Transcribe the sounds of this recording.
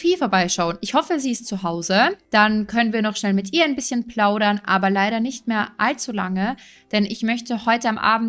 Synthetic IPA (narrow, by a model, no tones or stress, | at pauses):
fiːlfoːɐbaɪʃaʊənɪçhɔfəziːɪstt͡suɦaʊzəd̥ankʰœnənviːɐnɔχʃnɛlmɪtʔiːɐaɪnbɪsçənpl̥aʊɾɐnʔaːbɐlaɪɾɐnɪçtmeːɐʔalt͡sula̰ŋə | d̥ɛnɪçmœçtəhɔʏtəamʔa̰ːbm̩